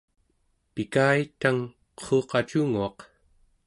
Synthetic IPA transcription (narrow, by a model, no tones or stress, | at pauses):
pikaːit̪aŋ | qʰoːqɑt͡ʃuŋuɑq